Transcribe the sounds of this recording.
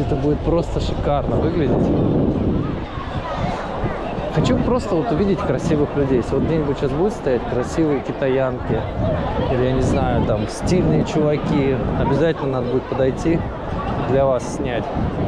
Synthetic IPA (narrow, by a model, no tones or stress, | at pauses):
ɛt̪əbudʲɪt̪̚pɾo̞st̪əʂɨkarnəvɨɡlʲɪdʲɪtʲ | xɐt͡ɕupɾo̞st̪əvo̞t̪ʊvʲidʲɪtʲkɾɐsʲivɨxlʲʉdʲejesʲlʲɪvot̪ɡ̚dʲenʲɪbʊtʲɕasbudʲʊt̪st̪ɐjætʲkɾɐsʲivɨjəkʲɪt̪ɐjankʲɪ | ilʲɪjanʲɪznajʊt̪amsʲtʲilʲnɨjət͡ɕʊvɐkʲiɐbʲɪzatʲɪlʲnənad̪əbudʲɪt̪pəd̪ɐjtʲi | d̪lʲɐvassʲnʲætʲ